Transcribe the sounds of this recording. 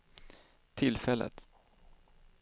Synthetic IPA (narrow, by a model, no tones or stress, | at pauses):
t̪ʰɪlfɛlə̰t̪